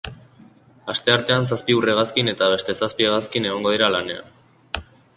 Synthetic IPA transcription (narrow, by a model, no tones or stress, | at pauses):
ast̪e̞aɾt̪e̞ansaspiure̞ɣ̞askine̞t̪aβ̞e̞st̪e̞saspieɣaskine̞ɣ̞o̞ŋɡo̞ðiɾalane̞a̰n